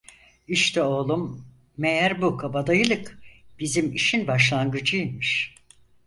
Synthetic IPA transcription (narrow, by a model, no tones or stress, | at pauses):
iʃt̪ʰɛo̞ːlˠumː | ejæɾbukʰabad̪ajɯlˠɯkb̥izimiʃinbaʃlˠanɡɯd͡ʒɯjimiʃ